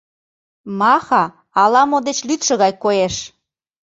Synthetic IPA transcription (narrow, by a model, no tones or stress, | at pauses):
mɑxɑ | ɑlɑmod̪et͡ɕlyt̪ʃə̆ɣɑjkojeʃ